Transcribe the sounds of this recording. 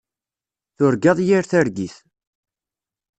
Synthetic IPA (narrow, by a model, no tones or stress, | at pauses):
θʊɾɡɑðˤjiɾθæɾɡiθ